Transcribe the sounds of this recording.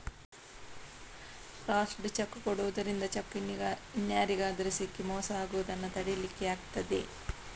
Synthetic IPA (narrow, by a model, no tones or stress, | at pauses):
pɾaːsɖt͡ʃɐkːukoɽuʋɐd̪ɐɾind̪ɐt͡ʃɐkːiinjaːɾiɡaːd̪ɐɾisikːimɔːsɐaːɡuʋɐd̪ɐnːɐt̪ɐɽelikːeaːɡt̪ɐd̪ḛ